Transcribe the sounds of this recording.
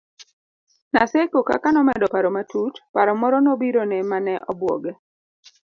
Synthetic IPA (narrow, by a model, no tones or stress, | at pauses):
nasekoka̰kanɔmɛdɔpaɾɔmatutpaɾɔmɔɾɔnɔbiɾonɛmanɛʔɔbwɔ̰ɡɛ